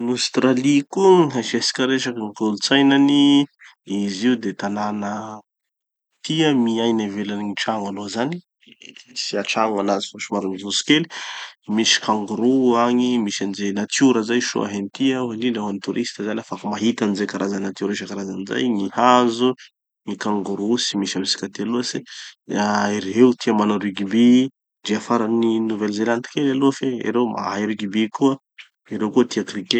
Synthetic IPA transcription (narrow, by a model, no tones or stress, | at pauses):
anust̪ɾalikuiɦaʃesi̥kʲaɾeʃakəŋikolut͡sajnani | iziud̪et̪ananə | t̪iəmiajnavelaniŋiʈ͡ʂaŋalozani | siaʈ͡ʂaŋanazifaʃimaɾunizusi̥kelimisi̥kaŋɡuɾuaŋimiʃanizenat̪uɾəzajʃo̰a̰ɦenit̪iauɦand̪inɖ͡ʐaɦanit̪uɾʔist̪əzanafakamaɦit̪anizekaɾʔazanat̪uɾiʃakaɾazaniza̰jɲihazu | ŋikaŋɡuɾusimiʃamisi̥kat̪ealuasiaiɾɦeut̪iamanaɾiɡibi | diafaɾaninuvelzelant̪i̥kelaluafeḭɾemʔa̰ɦajɾiɡibikuə | iɾewkut̪iakrike